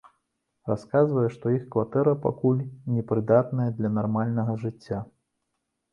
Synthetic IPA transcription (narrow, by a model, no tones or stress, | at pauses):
raskazvɐjɛʂt̪ɔixkvat̪ɛɾɐpa̰kulʲnʲɛpɾɨd̪at̪̚nɐjɐd̪lʲɐnarmalʲnɐɣɐʐɨt͡sʲːa